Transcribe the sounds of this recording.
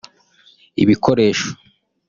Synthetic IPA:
ḭβikʰo̞ɾe̞ːʃo̥

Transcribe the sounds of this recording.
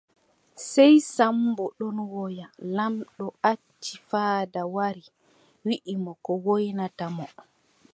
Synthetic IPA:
sɛjsambɔɗɔnwɔjalamɗɔat͡ʃːifaːdawaɾi | wiʔimɔkɔwojnatamɔ

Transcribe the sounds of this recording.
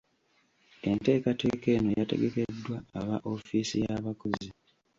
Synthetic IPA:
e̞nte̞ːkateːke̞ːnojate̞̰ɡe̞ke̞dːwaːβaʔo̞fiːsijaβakozi

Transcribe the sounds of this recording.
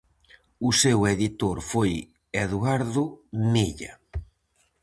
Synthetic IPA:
ʊseweðit̪oɾfoj | eðuaɾðʊmiʎa̰

